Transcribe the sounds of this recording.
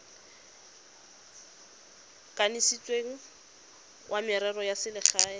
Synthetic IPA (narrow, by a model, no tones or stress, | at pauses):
kʼanisit͡sʼweŋ̩ | wʔamɪɾɛrɔjasɪlɪχaː